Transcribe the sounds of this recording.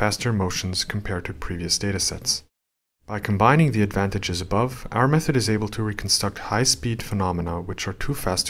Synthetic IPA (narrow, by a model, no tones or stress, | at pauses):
æstə˞moʊʃn̩z̥kʰm̩pʰɛɹd̚tʰɨpʰɹ̥iviɨsd̥eɪɾɨsɛ̰ts | b̥aɪkʰm̩bãɪ̃nɪ̃ŋðiɨdvæ̃ntɨd͡ʒɨzəbʌva̰ʊə˞mɛθɨɾɨzeɪbəl̩ˠtʰɨɹikʰn̩stɹ̥ʌk̚t̚haɪspid̥fənɑmənəwɨt͡ʃə˞tʰufæst